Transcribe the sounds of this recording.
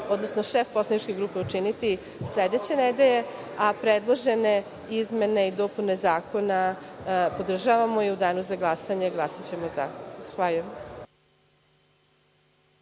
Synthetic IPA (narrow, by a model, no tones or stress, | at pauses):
o̞d̪no̞snoʃefposlˠanit͡ʃkʲe̞ɡɾuːpe̞ut͡ʃinit̪i | sʎʲed̪et͡ɕe̞ned̪eʎe̞ | apɾed̪lˠo̞ʒene̞ | izme̞neid̪o̞pune̞zaːko̞na | po̞d̪r̩ʒaʋamo̞jeud̪aːnuzaɡlˠasaɲeɡlˠasot͡ɕe̞moza̰zaxʋaːʎujem